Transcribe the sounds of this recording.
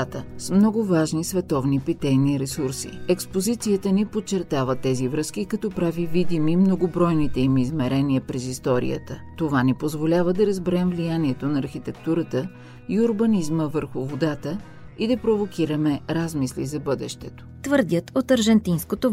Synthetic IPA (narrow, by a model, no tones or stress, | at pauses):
at̪əsmnɔɡʊvaʒnisvɛt̪ɔvnipit̪ɛjniɾɛsuɾsḭɛkspozit̪sijət̪ənipot͡ʃɛɾt̪avət̪ɛzivɾɤskikɐt̪ɔpɾavivid̪imimnoɡobɾɔjnit̪ɛimizmɛɾɛniəpɾɛzist̪ɔɾḭə̰t̪ət̪ovanipozvolʲavəd̪ɐɾəzbɛɾɛmvlijaniɛt̪onɐːɾxit̪ɛkt̪uɾət̪ə | iʊɾbɐnizməvəɾxʊvod̪at̪ə | id̪ɐpɾovokʰʲiɾəmɛɾazmislḭzɐbɤd̪ɛ̰ʃt̪ɛt̪o̥t̪vəɾd̪ʲət̪ot̪əɾʒɛnt̪inskot̪o